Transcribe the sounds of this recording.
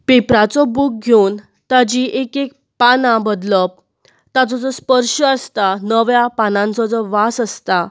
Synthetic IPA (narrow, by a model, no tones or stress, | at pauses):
pepɾat͡sɔbuːk̚ɡʱewn | t̪ad͡ʑiʔekek̚ | panãbəd̪ləp̚ | t̪at͡sɔt͡sɔspəɾʂəəst̪anəʋjapanãnt͡sɔt͡sɔʋasəst̪a